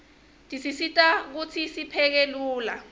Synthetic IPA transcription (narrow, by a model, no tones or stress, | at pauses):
tʼisisitʼak̬ut͡sʰisipʰɛk̬eluːla